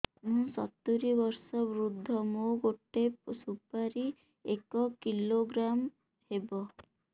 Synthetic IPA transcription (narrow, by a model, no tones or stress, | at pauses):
mũsɔt̪ːuɾibɔɾsɔbɾud̪ʱːɔmoɡoʈːepsupaɾi | ekɔkiloɡɾam | hebɔ